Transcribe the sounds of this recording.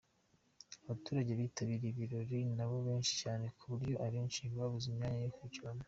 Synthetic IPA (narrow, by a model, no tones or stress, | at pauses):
aβatuːɾaɟeβitaβiɾiβiɾo̞ɾinaβo̞βe̞ːnʃi̥caːne̞kʰuβuɾɟo̞ʔaɾienʃiːmɡaβuzimɲaːɲajokuciana